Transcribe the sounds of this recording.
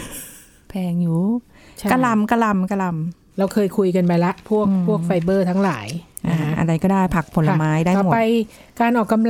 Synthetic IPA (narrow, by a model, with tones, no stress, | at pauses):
pʰɛː˧ŋjuː˦˩ | t͡ɕka˧la˧mka˧la˧mka˧la˧m | ɾa˧wkʰɤː˧jkʰu˧jka˧npa˧jla˦˥ʔpʰu˥˩ək̚pʰu˥˩ək̚fa˧jbɤː˥˩t̪ʰa˦˥ŋlaː˩˦jʔaː˧˩ʔa̰˧ɾa˧jkɔː˥˩daː˥˩jpʰa˨˩k̚pʰo˩˦lːa˧maː˦˥jdaː˥˩jmo˨˩a˧j | kaː˧nʔɔː˨˩kːa˧ml